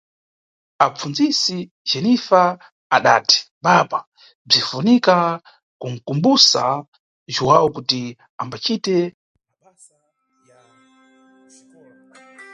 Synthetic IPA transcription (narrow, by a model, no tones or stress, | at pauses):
ap͡funzisi | d͡ʒɛnifaː | ɗaːti̥ | ɓaɓa | b͡ʐifunika | kuŋ̩kumbusa | ʒuwawɔkuti | ambat͡ʃitɛ | j